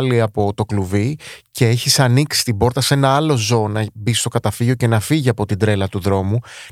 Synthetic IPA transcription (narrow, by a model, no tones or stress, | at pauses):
liɐpo̞t̪o̞kluvice̞eçisɐniksi̥t̪ibo̞ɾt̪ɐsenɐɐlo̞zo̞ːnɐbist̪o̞kɐt̪ɐfiʝo̞ce̞nɐfiʝiɐpo̞t̪ind̪ɾe̞lɐt̪uðɾo̞mu